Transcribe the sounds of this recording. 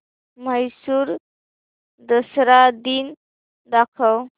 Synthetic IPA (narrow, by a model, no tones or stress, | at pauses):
məjsuːɾ | d̪əsɾad̪in | d̪akʰəw